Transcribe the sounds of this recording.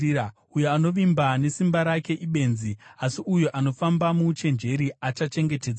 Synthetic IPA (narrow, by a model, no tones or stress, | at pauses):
ujoano̞ʋimbane̞simbaɾake̞ʔiɓe̞ːnziasiujoʔano̞fambamut͡ʃe̞nd͡ʒe̞ɾiat͡ʃat͡ʃe̞ŋɡe̞te̞d͡za